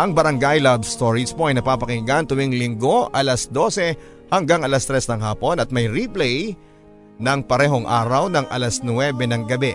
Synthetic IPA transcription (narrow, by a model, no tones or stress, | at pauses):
ʔɐŋbɐɾɐŋɡajlabst̪o̞ɹispoɐjnɐpapɐkɪɡaɐnt̪ʊwiŋlɪŋɡo̞ʔɐlɐsd̪o̞sɛ | hɐŋɡaŋɐlɐst̪ɾɛsnɐŋɦaːpo̞nɐt̪̚mɐjɾiplɛj | nɐŋpɐɾɛːɦoŋʔa̰ːɾɐwnɐŋʔɐ̰lɐsnwɛbɛnɐŋɡɐbɛ